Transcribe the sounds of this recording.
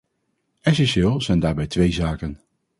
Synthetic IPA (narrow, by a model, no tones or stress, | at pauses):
ɛs̬ɛnʃɪːlˠzɛjndaːɹbɛjtʋejzaːkən